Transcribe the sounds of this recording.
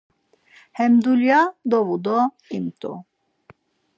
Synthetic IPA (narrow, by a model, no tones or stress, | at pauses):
hɛmd̪uljad̪ɔvud̪ɔ | imt̪ʼṵ